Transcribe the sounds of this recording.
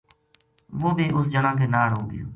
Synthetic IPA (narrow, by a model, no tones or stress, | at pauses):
ʋoːbiːʔʊsd͡ʒənãːkʰeːnaːɽoːɡɪ̰jo̰ː